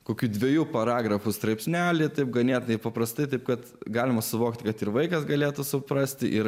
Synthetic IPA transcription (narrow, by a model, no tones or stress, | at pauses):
koːkʲuːdʲʋʲɛjuːpɐɾɑːɡɾɐfʊst̪ɾɐɪpʲsʲnʲæːlʲɪt̪ɐɪp̚ɡɐnʲeːt̪nɐɪpɐpɾɐst̪ɐɪt̪ɐɪp̚kɐt̪ | ɡɑːlʲɪmɐsʊʋoːkt̪ʲkɐt̪ɪɾʋɐɪkɐsɡɐlʲeːt̪ʊsʊpɾɐsʲt̪ʲɪʔɪɾ